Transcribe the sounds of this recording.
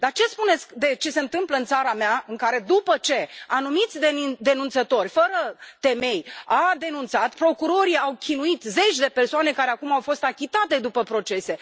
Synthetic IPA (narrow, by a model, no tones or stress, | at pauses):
d̪art͡ʃe̞spune̞t̪skd̪e̞t͡ʃe̞se̞ɨnt̪ɨmpləɨnt̪saɾameaɨŋkaɾe̞d̪upət͡ʃe̞anumit̪sʲd̪ed̪e̞nunt̪sət̪o̞rʲfəɾət̪e̞me̞jad̪e̞nunt̪sat̪pɾo̞kuɾo̞ɾiawkʲinuit̪ze̞t͡ʃʲd̪e̞pe̞rsoane̞kaɾeakumawfo̞st̪akʲit̪at̪e̞d̪upəpɾo̞t͡ʃe̞se̞